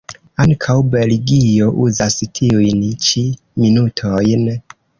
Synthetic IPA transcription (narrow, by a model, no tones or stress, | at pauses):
aŋkʰawbeliɡio̞ʔuzastʰiujnt͡ʃi | minutʰojn